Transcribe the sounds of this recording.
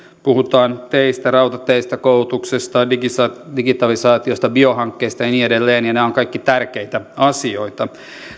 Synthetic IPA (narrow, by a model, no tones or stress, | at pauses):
puhut̪ɑːnt̪eist̪ærɑwt̪ɑt̪ːeist̪ækoulut̪uksest̪ɑdiɡit̪ɑlisɑːt̪io̞st̪ɑbiohɑŋkːeːst̪ɑjɑniedelːeːnjɑneoŋkɑikːit̪ærkeit̪æɑsio̞it̪ɑ